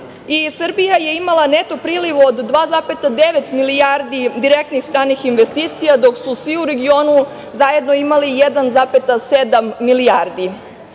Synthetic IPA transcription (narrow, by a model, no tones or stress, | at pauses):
isr̩bijaje̞imalˠane̞t̪o̞pɾiːliʋod̪ːʋaːzaːpe̞t̪ad̪e̞ʋe̞t̪milijaɾd̪id̪iɾek̚t̪nixst̪ɾaːnixinʋe̞st̪iːt̪sijad̪o̞ksusʋiuɾe̞ɡio̞ːnu | zaje̞d̪no̞imalijed̪anzaːpe̞t̪ase̞d̪amːiliaɾd̪i